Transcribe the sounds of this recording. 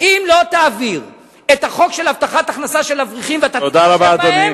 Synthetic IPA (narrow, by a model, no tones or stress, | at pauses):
ʔimlo̞t̪aːviʁ | et̪haχo̞kʃelhavt̪aχat̪aχnasaʃelavʁiχimveat̪atod̪aʁabaːmdamim